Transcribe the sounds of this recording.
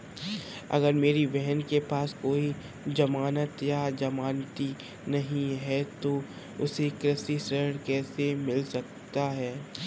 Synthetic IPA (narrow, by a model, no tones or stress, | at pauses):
ɐ̰ɡəɾmeːɾibɛɦənkepaːskoːi | d͡ʒɐmaːnət̪jad͡ʒɐmaːnt̪i | nɐɦĩɦɛt̪o | ʊ̰sekɾɪsisəɾɽkɛːsemɪlsɐk | t̪aɦɛː